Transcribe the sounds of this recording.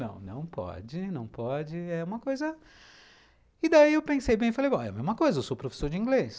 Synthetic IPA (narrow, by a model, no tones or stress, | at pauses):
nɐ̰̃w̃nɐ̰̃w̃pɔ̰d͡ʒɪnɐ̃w̃pɔd͡ʒɪɛũmɐkojzɐ | ɪd̪aiewpẽsejbẽj̃ɪfalejbõɛ̰ɐmezmɐkojzɐewsowpɾofe̥soɾd͡ʒɪĩŋɡles